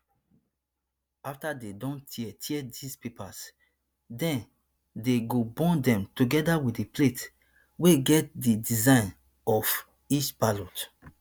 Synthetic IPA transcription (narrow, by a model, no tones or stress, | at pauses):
aftadedɔ̃ntʰiɛtʰɛdispipas | dɛ̃n | deɡobɔ̃ndɛ̃mtuɡɛdawitdiplet | weɡɛt̚didizãɪ̃n | ɔf | it͡ʃbalot